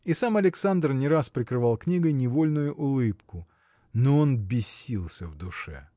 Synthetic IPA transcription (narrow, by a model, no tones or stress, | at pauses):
isamɐlʲɪksand̪rnʲɪɾaspɾʲɪkɾɨvalˠknʲiɡəjnʲɪvolʲnʊjʊʔʊlˠɨpkʊ | noonbʲɪsʲːilˠsʲəvd̪ʊʂɛ̰